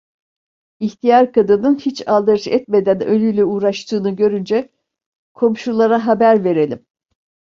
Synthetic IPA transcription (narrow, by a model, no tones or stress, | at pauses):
içt̪ʰijaɾkʰad̪ɯnɯnhit͡ʃalˠd̪aɾɯʃɛt̪me̞d̪ænølʲyjlʲɛuːɾaʃt̪ʰɯːnɯɟø̞ɾynd͡ʒɛ | kʰo̞mʃulˠaɾaɦabæɾve̞ɾe̞lʲim